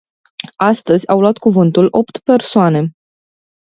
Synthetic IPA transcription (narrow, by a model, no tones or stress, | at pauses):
ast̪əzʲawluat̪kuvɨnt̪ulʔo̞pt̪pe̞rsoane̞